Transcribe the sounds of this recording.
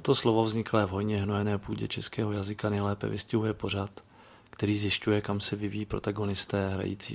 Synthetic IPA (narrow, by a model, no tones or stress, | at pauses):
t̪o̞slovovzɲɪklɛːvɦo̞jɲɛɦnojɛnɛːpuːɟɛ̰t͡ʃɛskɛːɦojazɪkanɛjlɛːpɛ̰vɪ̰scɪɦujɛpo̞r̝at̪ | kt̪ɛɾiːzjɪscujɛkamsɛvɪvijiːpɾo̞t̪aɡo̞nɪst̪ɛːɦɾa̰jḭːt͡sḭː